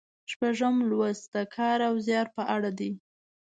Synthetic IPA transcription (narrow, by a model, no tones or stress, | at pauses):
ʃpaʒəmlwəsd̪əkʰɑɾawzjɑɾpəʔaɽad̪i